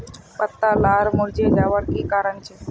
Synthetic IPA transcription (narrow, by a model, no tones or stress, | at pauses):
pət̪ːalaɾmuɾd͡ʑeɡaʋəɽkikaɾəɳt͡ɕʰe